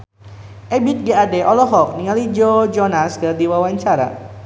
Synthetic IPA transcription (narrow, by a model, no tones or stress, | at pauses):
ʔɛbit̪̚ɡeadɛʔɔlɔɦɔk̚niŋalid͡ʒod͡ʒɔnaskərdiwawaɲt͡ʃaɾa̰